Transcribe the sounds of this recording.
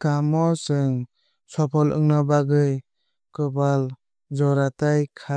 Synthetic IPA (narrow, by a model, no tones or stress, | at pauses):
kamɔsɯŋ | sɔpʰɔlɯ̰ŋnɔbaɡɯj | kɯbal | d͡ʒɔɾatajkʰa